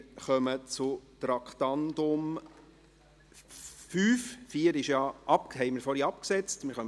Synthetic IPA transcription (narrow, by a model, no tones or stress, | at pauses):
ɾχœmət͡sʊt̪ɾɑkχt̪ɑnd̪ʊm | fyːffiːəɾɪʃjɑʔɑp̚ɦɛɪməɾfɔɾiɑpksɛt͡stmɪɾχœm